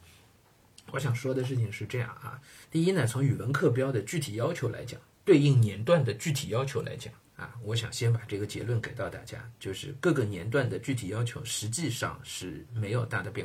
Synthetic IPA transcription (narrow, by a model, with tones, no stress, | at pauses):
wʔɔ˧˥ɕ̬jɑ˨˩ŋʂwɔ˥d̪ə˨ʂɻ̩˥˩t͡ɕʰi˨˩ŋʂɻ̩˥˧ʈ͡ʂɤ˥˧jɑ̰˥˩ŋɐ̰˧ | t̪i˥˩i˥nə˧˩t͡sʰʊ˧˥ŋy˨˩wə˧˥nkʰɤ˥˩p̬jɑ˥ʊd̪ə˨t͡ɕy˥˩t̪ʰi˨˩jɑ˥ʊt͡ɕʰjo˧˥ʊla̰˧˥ɪt͡ɕjɑ̰˨˩˦ŋt̪we˥˧ɪi˥˩ŋnjɛ˧˥nt̪wa˥˩nd̪ə˩t͡ɕy˥˩t̪ʰi˨˩jɑ˥ʊt͡ɕʰo˧˥ʊla˧˥ɪt͡ɕjɑ̰˨˩˦ŋɐ̰˧wɔ˧˥ɕ̬jɑ˨˩ŋɕjɛ˥npa˨˩ʈ͡ʂɤ˥˩ɡə˩t͡ɕjɛ̰˧˥lwə˥˩nke˨˩ɪt̪ɑ˥˧ʊt̪a̰˥˩t͡ɕja̰˥t͡ɕjo˥˧ʊʂɻ̩˥˧kɤ˥˩ɡə˩njɛ˧˥nt̪̬wa˥˩nd̪ə˩t͡ɕy˥˩t̪ʰi˨˩jɑ˥ʊt͡ɕʰjo˧˥ʊʂɻ̩˧˥t͡ɕi˥˧ʂɑ̰˥˧ŋʂɻ̩˥˩me˧˥ɪjo˨˩ʊt̪a˥˩d̪ə˩pjɛ˥˧˥